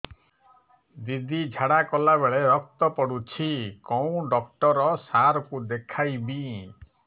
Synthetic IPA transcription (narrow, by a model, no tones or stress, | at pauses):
d̪id̪ʱid͡ʒʱaɽakɔlaβeɭeɾɔk̚t̪ɔpɔɽut͡ʃʰikɔũɖɔkʈɔɾɔsaɾɔkud̪ekʰajbi